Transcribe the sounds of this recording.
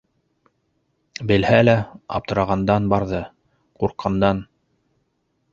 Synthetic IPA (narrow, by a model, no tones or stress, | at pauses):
bɘ̆lhælæɑ̰p̚t̪ɤ̆ɾɑʁɑnd̪ɑnbɑɾðɤ | quɾqːɑnd̪ɑn